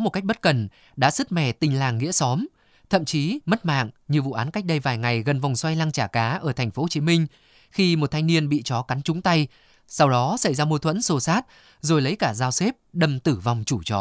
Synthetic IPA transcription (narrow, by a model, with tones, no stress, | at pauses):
mo˨˩t̚ka˦˥k̚ɓə˦˥t̚kə˨˩n | ɗa̰ː˧˥sɨ˦˥t̚mɛ̰˧˩t̪ï˨˩ŋ̟laː˨˩ŋːḭ˧˥əsɔ˨˦m | t̪ʰə̰˧˨mt͡ɕi˨˦mə˦˥t̚ma̰ː˧˨ŋɲɨ˨˩vṵ˧˨ʔaː˨˦nka˦˥jk̚ɗə˧jvaː˨˩jŋa˨˩jɣə˨˩nva˨˩wŋ͡mswa˧jlaː˧ŋt͡ɕaː˧˩kaː˨˦ʔəː˧˩t̪ʰa˨˩jŋ̟fo˨˦ho˨˩t͡ɕi˨˦mï˧ŋ̟ | xi˧mo˨˩t̚t̪ʰa˧jŋ̟ni˧ənɓḭ˧˨t͡ɕɔ˨˦ka˨˦nt͡ɕʊ˨˦ŋ͡mt̪a˧j | sa˧wɗɔ˨˦sa˧˩jzaː˧mu˧t̪ʰwə̰˧˥nso˧˩saː˦˥t̚ | zo˨˩jlə˨˦jkaː˧˩zaː˧wse˦˥p̚ɗə˨˩mt̪ɨ˧˩va˨˩wŋ͡mt͡ɕu˧˩t͡ɕɔ˨˦